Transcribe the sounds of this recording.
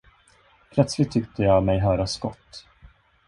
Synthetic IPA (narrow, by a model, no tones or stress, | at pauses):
pʰlœt̪slɪt̪ʰːʏk̚t̪ʰəjɑːmɛjɦœːɾaskɔt̪ː